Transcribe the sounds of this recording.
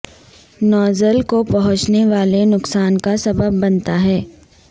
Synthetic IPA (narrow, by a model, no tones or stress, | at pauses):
nɔːzəlkopɐɦʊ̃t͡ʃneʋaːlenʊksaːnkasɐbəbːɐnt̪aɦɛː